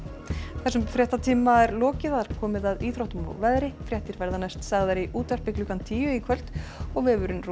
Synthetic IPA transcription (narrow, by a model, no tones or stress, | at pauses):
θɛsːʏmfɾjɛht̪at̪ʰiːmaɛɾlɔːcɪðaðaɾ̥kʰɔːmɪðaðiːθɾoht̪ʏmɔ̰ɣvɛðɾɪfɾjɛht̪ɪɾvɛɾðanajst̪saɣðaɾiʔuːt̪ar̥pɪklʏkant̪ʰiːjʏikʰvœl̥t̪ɔɣvɪvʏɾʏnr